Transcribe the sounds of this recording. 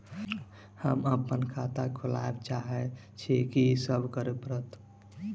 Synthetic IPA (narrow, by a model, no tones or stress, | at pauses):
həməpːənkʰat̪akʰula̰ebt͡ʃaɦɛ | t͡ʃʰikisəbʱkəɾepəɾət̪